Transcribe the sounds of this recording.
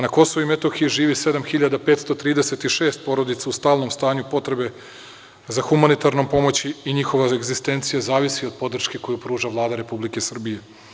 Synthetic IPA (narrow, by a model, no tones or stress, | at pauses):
nako̞soʋuimet̪oxijiʒiːʋise̞d̪amxiʎad̪apet̪st̪o̞t̪ɾiːd̪eset̪iʃe̞ːst̪̚po̞ɾo̞d̪it̪saust̪aːlnomst̪aːɲupo̞t̪ɾe̞be̞ | zaxumanit̪aɾnompo̞mo̞t͡ɕiːɲixo̞ʋaeɡzist̪e̞nt̪sijazaːʋisio̞d̪̚po̞d̪r̩ʃke̞ko̞jupɾuːʒaʋlˠaːd̪aɾe̞publike̞sr̩bije